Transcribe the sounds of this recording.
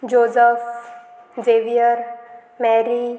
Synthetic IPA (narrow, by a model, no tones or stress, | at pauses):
d͡ʒoːzəf | zeːʋijəɾ | mɛːɾi